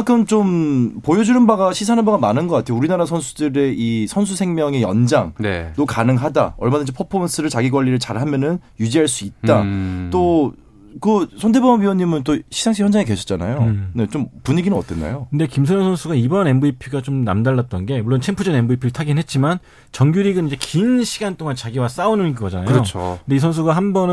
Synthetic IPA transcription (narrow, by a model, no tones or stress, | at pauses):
akʰɯmt͡ɕompojʌd͡ʑunɯnbaɡaɕʰis̬ʰanɯnbaɡamanɯnɡʌk͈atʰeouɾinaɾasʰʌnsʰudɯɾe̞isʰʌnsʰusʰe̞ŋmjʌŋe̞jʌ̰nd͡ʑaŋnenokanɯŋɦada̰ʌɭmadɯnɲd͡ʑipʰopʰons͈ʰɯɾɯɭt͡ɕaɡiɡwaʎːiɾɯɭt͡ɕaɾɦamjʌnɯnjud͡ʑiɦaɭs͈uit̚t͈at͈o | kɯsʰʌnd̬ʰe̞bʌmiwʌɲːimɯnt͈oɕʰizʰaŋɕʰiçjʌnd͡ʑaŋekwe̞ɕʰʌt͡ɕ͈ana̰jone̞t͡ɕompuɲiɡinɯnʌt͈enːa̰jokɯnde̞kims̬ʰʌɲjʌŋsʰʌnsʰuɡaibʌne̞mboipʰiɡat͡ɕomna̰mdaɭːat̚t͈ʌnɡe̞muɭːont͡ɕʰempʰud͡ʑʌne̞mboipʰiɾɯɭtʰaɡinɦet̚t͡ɕ͈iman | t͡ɕʌŋɡjuɾiɡɯnid͡ʑe̞kinɕʰiɡant͈oŋant͡ɕaɡiwas͈aunɯnikɯɡʌd͡ʑanajot͡ɕʰokɯnde̞is̬ʰʌns̬ʰuɡaɦanbʌnɯ